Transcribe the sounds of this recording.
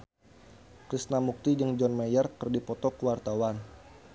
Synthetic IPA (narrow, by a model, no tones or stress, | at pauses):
kɾisnamuk̚t̪id͡ʒəŋd͡ʒɔnmajarkərdipɔt̪ɔkəwart̪awan